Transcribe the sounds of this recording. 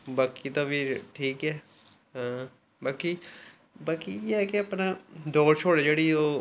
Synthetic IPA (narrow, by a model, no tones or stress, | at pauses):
baːkit̪ãːʋiːʈʰiːkɦɛː | ɦãː | baːkiː | baːkieːɦɛːkɪapnãːd̪ɔːɾt͡ʃʰoːɽed͡ʒeːɽiːoː